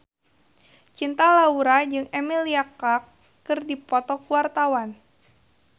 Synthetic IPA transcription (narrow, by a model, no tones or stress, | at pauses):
t͡ʃint̪alauɾad͡ʒɨŋemiliakakː | ɨrdipɔt̪ɔkuwart̪awan